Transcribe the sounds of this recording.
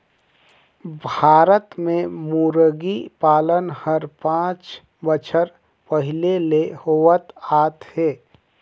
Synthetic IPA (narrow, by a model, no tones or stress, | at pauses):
bʱaːɾət̪mẽmuːɾəɡipaːlənhəɾpãːt͡ʃ | bət͡ʃʰəɾ | pəɦɪlelehoʋət̪aːt̪heː